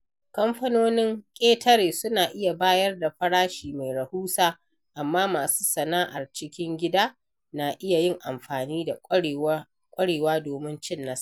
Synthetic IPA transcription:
kɐ˦mɸɐ˦noː˦nɪ˦ŋkʲʼeː˦tʰɐ˦ɾeː˨sʊ˦naː˨ʔɪ˦ja˨baː˦jɐ˦rda˨ɸɐ˦ɽaː˦ʃiː˨ma˨jɾɐ˨huː˦saː˦ | ʔa˨mːaː˦maː˨su̥ː˦sɐ˨naː˦ʔa˨rt͡ʃɪ˦kʲɪ˦ŋɡʲɪ˦daː˦ | naː˨ʔɪ˦ja˨jɪ˦˨ŋʔa˨mɸaː˨niː˦da˨ | kʷʼɐ˦ɽeː˨waː˦doː˨mɪ˦nt͡ʃɪ˦nːa˦s

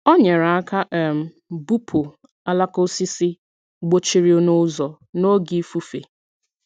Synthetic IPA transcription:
ɔ˦ɲe˨ɾa˨a˦ka˦ʔɛ˨m̩˨ | bu˦pʰo˨ | a˦la˦ko˦si˦si˦ | ɡ͡bo˦t͡ʃi˦ɾi˦o˦nʊ˦zɔ˨ | no˦ɡi˦fu˦fḛ˨

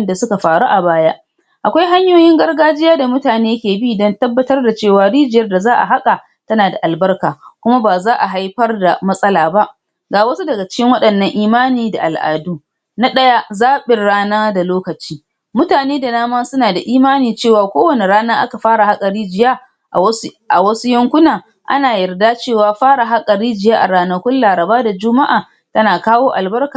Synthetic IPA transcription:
nda˨sʊ˦ka˨ɸaː˨ɽu˦ʔa˨baː˦ja˦ʔ | ʔa˨kʷa˦jɦa˦ɲjoː˦jɪ˦ŋɡɐ˦rɡaː˦d͡ʒɪ˦jaː˦da˨mʊ˦taː˨neː˦jkʲeː˨bi˦˨dɔ˦ntɐ˦bːɐ˦tɐ˦rda˨t͡ʃeː˦˨waː˨ɽiː˦d͡ʒɪ˨jɐ˦rda˨zaː˦ʔa̰˨ɦa˦kʼa˨ | tɐ˦naː˨da˨ʔa˨lbɐ˦rkaː˨kʷʊ˦ma˦baː˨zaː˦ʔa˨ɦa˦jɸɐ˦rda˨mɐ˦sʼɐ˦laː˨ba˦ʔ | ɡaː˨wɐ˦su˦dɐ˨ɡa˨t͡ʃɪ̥˦kʲɪ˦ŋwɐ˦ɗɐ˨nːɐ˦ŋʔiː˦maː˦niː˨da̰˨ʔa˨lʔa̰ː˨duː˦ | na˦ɗɐ˦ja˦zaː˦ɓɪ˨rːaː˦naː˦da˨loː˦kɐ˨t͡ʃiː˦ | mʊ˦taː˨neː˦da˨naː˦mɐ˦sʊ˦naː˨da˨ʔiː˦maː˦niː˨t͡ʃeː˦˨waː˨kʷoː˦wɐ˨ne˨ɾaː˦naː˦ʔa˦ka˨ɸaː˦ɽa˨ha˦kʼɐ˨ɽiː˦d͡ʒɪ˨˦jaː˦˨˦ | ʔa̰˨wɐ˦su˦jɐ˦ŋkʷʊ˦naː˨ | ʔa̰˦naː˨jɐ˨rdaː˦t͡ʃeː˦˨waː˨ɸaː˦ɽa˨ɦa˦kʼɐ˨ɽiː˦d͡ʒɪ˨jaː˦ʔa˨ɽaː˨nɐ˨kʷʊ˦nlaː˨ɾɐ˨baː˦da˨d͡ʒʊ˦ma˦ʔa̰ː˨ | tɐ˦naː˨kaː˦woː˦ʔa̰˨lbɐ˦rkaː˨

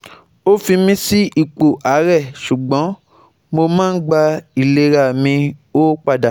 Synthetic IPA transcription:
o˦fĩ˧mĩ˧si˦i˦˨k͡po˨ʔa˨˦ɾɛ˦˨ʃu˨ɡ͡bɔ̃˨˦ | mo˧mãː˦n̩˦ɡ͡ba˧i˨le˧˦ɾa˨mĩ˧o˦k͡pa˧da˨

